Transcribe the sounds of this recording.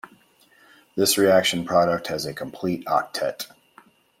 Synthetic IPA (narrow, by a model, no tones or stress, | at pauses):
ðɪsɹiækʃɨ̃npʰɹ̥ɑɾək̚t̚hɨzɨkʰə̃m̩pʰl̥iɾɑ̰k̚tʰɛt